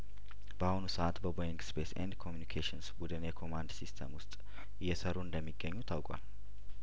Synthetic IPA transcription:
bəahʊnusəʔat̪bəbojɪŋɡspʰesɛ̰nd̪kʰomjunikʰeʃinsbud̪ɨnjɛkʰo̞mand̪sist̪ʰə̰mwʊst̪ʼ | jɛsəɾuɨnd̪əmːiɡːəɲːut̪ʰawkʷʼwa̰l

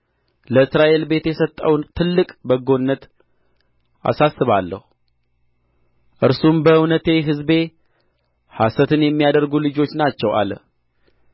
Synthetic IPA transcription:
ləɨsɾaʔe̞lbe̞t̪jɛsət̪ʼːəwnt̪ʰɨlːɨkʼbəɡo̞nːət̪ | a̰sasːɨβalːə̰hu | ʔɨɾsumbəɨwnət̪e̞ɦɨzbe̞ | hasət̪ʰɨnjɛmːijad̪əɾɡulɨd͡ʒo̞t͡ʃːnat͡ʃːɛwʔa̰lə̰

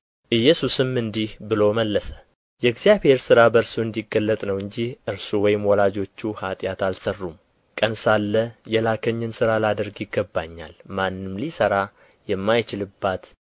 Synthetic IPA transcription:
ʔɨjːɛsusɨmɨnd̪ihbɨlo̞məlːəsə̥ | jɛɡzijaβhe̞ɾsɨɾabəɾsuɨnd̪iɡːəlːət̪ʼnəwɨɲd͡ʒihʔɨɾsuwɔjɪmwɔlad͡ʒo̞t͡ʃːuhat̪ʼjat̪alsərːum | kʼənsalːəjɛlakʰəɲːɨnsɨɾalad̪əɾɡjɪɡːəbːaɲːa̰lmanːɨmlisəɾa | jɛmːajt͡ʃɪlɨbːat̪

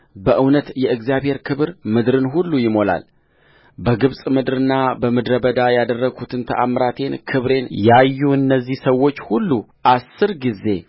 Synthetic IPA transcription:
bəʔɨwnət̪jɛɨɡzjaβhe̞ɾkʰɨβɨɾmɨd̪ɾɨnɦulːujɪmo̞la̰l | bəɡɨβsʼmɨd̪ɾɨnːabəmɨd̪ɾəbəd̪ajad̪ərːəɡʰut̪ʰɨnt̪ʰə̰ʔamɾat̪ʰe̞nkʰɨβɾe̞njajːuɨnːəzːihsəwːo̞t͡ʃːhulːuʔasːɨɾɡize̞̰

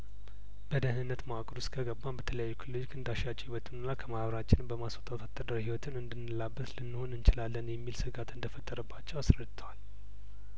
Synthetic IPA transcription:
b̥əd̪əhnɨnːət̪mawakʼɾuskʰəɡəbːambət̪ʰələjajːukʰiloikɨnd̪aʃat͡ʃʼhiwət̪ɨnɨnːakʰəmaβɾat͡ʃːɪnmbəmasot̪ʼat̪ʰat̪ʼːəd̪əɾhiwɔt̪ʰɨnɨnd̪ɨnːɨlabːət̪lɨnːɨho̞nɨnt͡ʃɪlalːənjɛmːilsɨɡat̪ɨnd̪əfət̪ʼːəɾəbːat͡ʃːɛwasɾəd̪ɨt̪ʰəwal

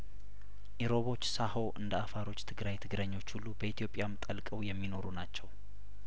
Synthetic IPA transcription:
ʔiɾo̞βo̞t͡ʃːsaho̞ʔɨnd̪əafaɾo̞t͡ʃːt̪ʰɨɡɾajt̪ʰɨɡɾəɲːo̞t͡ʃːhulːubəit̪ʰjo̞pʼɪjamt̪ʼəlkʼəwjɛmːino̞ɾunat͡ʃːɛw

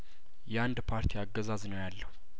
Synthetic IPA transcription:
jɛand̪pʰaɾt̪ʰiaɡːəzaznəwjalːəhu

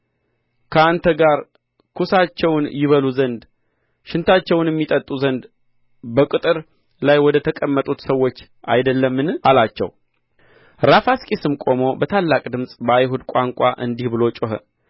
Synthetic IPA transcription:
kʰəant̪ʰəɡaɾ | kʰusat͡ʃːɛwnjɪβəluzənd̪ | ʃɪnt̪ʰat͡ʃːɛwnjɛmːit̪ʼət̪ʼːuzənd̪ | bəkʼɨt̪ʼɨɾ | lajwɔd̪ət̪ʰəkʼəmːət̪ʼut̪səwːo̞t͡ʃː | ʔa̰jd̪əlːəmːɨnalat͡ʃːɛ̰w | ɾafaskʼisɨmkʼo̞mo̞bət̪ʰalːakʼd̪ɨmsʼbəajɦud̪kʷʼaŋkʼa̰ʔɨ̰nd̪ihbɨlo̞t͡ʃʼoɦə̰

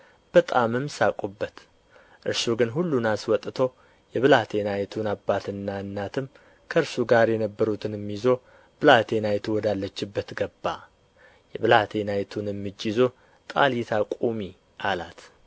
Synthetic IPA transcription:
b̥ət̪ʼamɨmsakʷʼubːət̪ | ʔɨɾsuɡɨnɦulːunaswɔt̪ʼt̪ʰo̞ | jɛβɨlat̪ʰe̞najt̪ʰunabːat̪ɨnːaɨnːat̪ʰɨm | kʰəɨɾsuɡaɾjɛnəbːəɾut̪ʰɨnɨmːizo̞ | b̥ɨlat̪ʰe̞najt̪ʰuwɔd̪alːət͡ʃːɪbːət̪ɡəbːa | jɛβɨlat̪ʰe̞najt̪ʰunɨmːɨd͡ʒːizo̞ | t̪ʼa̰lit̪ʰakʷʼumi | ʔala̰t̪

